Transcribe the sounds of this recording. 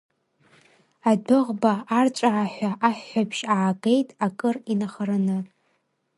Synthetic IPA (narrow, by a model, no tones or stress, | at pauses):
adɨʁbaːrt͡ʃʷʼaʕaħʷᶣaʔaħːapʰʃaʕːɡejtʼakʼɨrinaχaɾanɨ